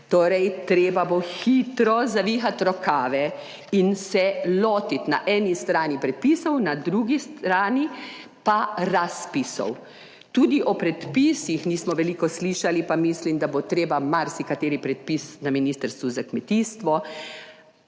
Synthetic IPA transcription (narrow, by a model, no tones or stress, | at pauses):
t̪oːɾɛjt̪ɾeːbaboxit̪ɾɔzaʋiːxat̪ɾɔkaːʋɛ | insɛloːt̪it̪naʔɛːnist̪ɾaːnipɾɛt̪̚piːsɔwnad̪ɾuɡist̪ɾaːni | paɾaspisɔ̰w | t̪uːd̪iʔɔpɾɛt̪pisixniːsmɔʋɛliːkɔsliːʃalipamislimd̪abot̪ɾeːbamaɾsikat̪eːɾipɾɛt̪̚pisnaminiːst̪əɾst̪ʋuzakmɛt̪ist̪ʋɔ